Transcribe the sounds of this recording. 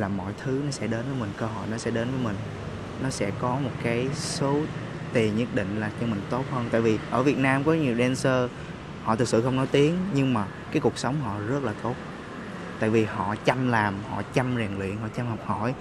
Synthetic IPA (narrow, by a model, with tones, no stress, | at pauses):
laː˨˩mɔ̰˧˨jt̪ʰɨ˨˦nɔ˨˦sɛ̰˧˥ɗe˨˦nvəː˨˦jmï˨˩ŋ̟kəː˧ɦɔ̰˧˨jnɔ˨˦sɛ̰˧˥ɗe˨˦nvəː˨˦jmï˨˩ŋ̟ | nɔ˨˦sɛ̰˧˥kɔ˨˦mo˨˩t̚kaː˨˦jso˨˦ | t̪i˨˩əɲə˦˥t̚ɗḭ̈˧˨ŋ̟laː˨˩t͡ɕɔ˧mï˨˩ŋ̟t̪o˦˥t̚həː˧nt̪a̰ː˧˨vi˨˩ʔəː˧˩vi˨˩ət̚naː˧mkɔ˨˦ɲi˨˩əwɗɛ˧nsəː˧ | hɔ̰˧˨t̪ʰɨ˨˩k̚sɨ̰˧˨xə˧wŋ͡mnɔ˨˦jt̪i˨˦əŋɲɨ˧ŋmaː˨˩kaː˨˦jku˨˩ək̚sə˨˦wŋ͡mɦɔ̰˧˨zə˦˥t̚laː˨˩t̪o˦˥t̚ | t̪a̰ː˧˨jvi˨˩hɔ̰˧˨t͡ɕa˧mlaː˨˩mhɔ̰˧˨t͡ɕa˧mzɛː˨˩ŋlwḭ˧˨ənɦɔ̰˧˨t͡ɕa˧mhɔ˨˩k͡p̚hɔ˧˩j